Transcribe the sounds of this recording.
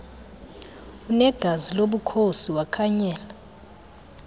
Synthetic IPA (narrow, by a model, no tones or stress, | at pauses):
unɛɡ̥ʱaziloɓukʰosiwakʰaɲɛːla